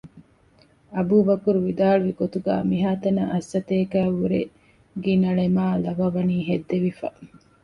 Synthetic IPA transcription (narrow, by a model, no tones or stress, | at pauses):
ɐbuːʋɐkuɾuʋid̪aːɭuʋiɡot̪uɡæ̰ːmiɦaːt̪ɐnɐʔɐsːɐt̪eːkæːʋuɾḛ | ɡinɐɭemaːlɐʋɐʋɐniːɦed̪ːeʋifɐ̰